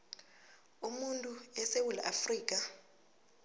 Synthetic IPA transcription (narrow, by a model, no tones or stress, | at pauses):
umuntʼuɛsewula̰ʔafriːk̬ʼa